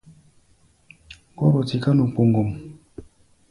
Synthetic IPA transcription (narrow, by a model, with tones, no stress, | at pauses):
kɔ˦ɾɔ˨ti˨ka˦nu˨k͡po˨ŋɡo˨m